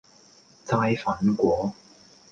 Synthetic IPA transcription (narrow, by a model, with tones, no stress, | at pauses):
t͡saː˧˥jfaː˨˥nkʷwɔː˨˧˥